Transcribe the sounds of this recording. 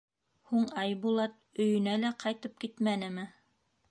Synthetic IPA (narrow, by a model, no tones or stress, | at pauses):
huɴɑjbulˠɑt̪̚ɵ̆jɵ̆nælæqʰɑjt̪ɤp̚kit̪mænɘ̆mɘ